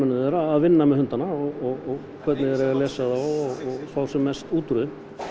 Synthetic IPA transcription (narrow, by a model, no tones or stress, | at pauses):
ʏnʏðɛːɾaːðvɪnːamɛðhʏnt̪anaɔɣɔɣɔɣ | kʰvɛɾt̪nɪðɛɾɛɣaɾlɛːsaðaɔɣɔɣfawsɛmːɛst̪uːt̪ɾʏðɪ